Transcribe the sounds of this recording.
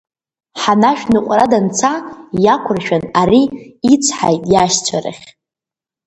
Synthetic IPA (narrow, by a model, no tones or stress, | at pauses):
ħanaʃᶣnɨqʷʼradant͡sʰajakʷʰʊrʃᶣanaɾiːt͡sʷʰħa̰jtʼjaʃt͡sʷʰa̰ɾɨ̰χʲ